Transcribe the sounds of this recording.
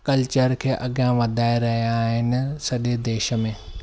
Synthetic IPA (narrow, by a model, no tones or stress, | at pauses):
kɐlt͡ɕəɾkʰeːʔɐɡʱjãʋɐd̪ʱaːeɾɐɦijaːɦɪnɪ̆sɐɗed̪eːʃə̆mẽː